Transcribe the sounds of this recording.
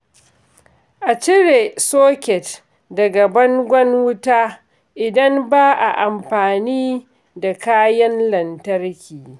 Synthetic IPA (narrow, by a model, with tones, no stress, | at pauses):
ʔa˨t͡ʃɪ˦ɽeː˨soː˦kʲɛ˨t | dɐ˨ɡa˨bɐ˦ŋɡʷɐ˦nwʊ˦taː˦ | ʔɪ˨dɐ˦mbaː˦ʔa̰˨ʔa˨mɸaː˨niː˦ | da˨kaː˦jɐ˦nlɐ˨ntɐ˦rkʲʰiː˨